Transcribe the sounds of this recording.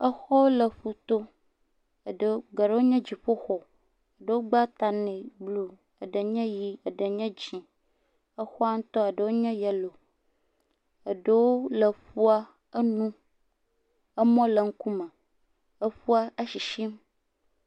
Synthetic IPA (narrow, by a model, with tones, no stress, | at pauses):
ə˦xɔ˦lə˨ɸu˨t̪o˦ | ə˨ɖə˨˦ɡa˨ɖə˦wo˦ɲɛ̃˦d͡ʑi˨ɸo˦xɔ˨ | ə˨ɖə˨wo˦ɡ͡ba˦t̪a˨nẽ˨blu˦ | ə˨ɖə˨ɲɛ̃˦ji˦ə˨ɖə˨ɲɛ̃˦d͡ʑi˨ | ə˦xɔ˦a˦ŋ̩˦t̪ɔ˦ə˨ɖə˨wo˦ɲɛ̃˦jɛ˨lo˨ | ə˨ɖə˨wo˦lə˨fu˦a˦ | ə˦nũ˦ | ə˦mɔ̃˦lə˨ŋ̩˦ku˦mə̃˨ | ə˦ɸu˦a˦ə˦ʃi˨ʃi˦m